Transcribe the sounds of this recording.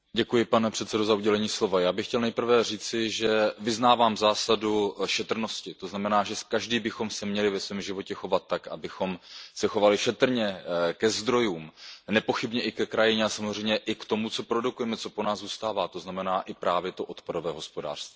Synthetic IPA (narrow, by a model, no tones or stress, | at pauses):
ɟɛkujɪpanɛpr̥ɛt̪t͡sɛdozauɟɛlɛɲiːslo̞vajaːbɪxcɛlnɛjpr̩vɛriːt͡sɪʒɛvɪznaːvaːmzaːsaduʃɛt̪r̩no̞scɪt̪o̞znamɛnaːʒɛkaʒdiːbɪxo̞msɛmɲɛlɪvɛsvɛːmʒɪvo̞cɛxo̞vat̪ːakabɪxo̞msɛxo̞valɪʃɛt̪r̩ɲɛkɛzd̪ɾo̞juːmnɛpo̞xɪbɲɛʔɪkɛkɾajɪɲɛasamozrɛjmɲɛʔɪkt̪o̞mut͡so̞pɾo̞dukujɛmɛt͡so̞po̞naːzzuːst̪aːvaːt̪oznamɛnaːʔɪpɾaːvjɛt̪o̞ʔo̞t̪padovɛːɦo̞spo̞da̰ːr̥st̪viː